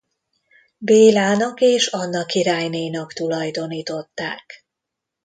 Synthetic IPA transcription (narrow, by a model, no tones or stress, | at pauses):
beːlaːnɒkeːʃɒnːɒkiɾaːjneːnɒkt̪ulɒjd̪o̞niːt̪o̞t̪ːa̰ːk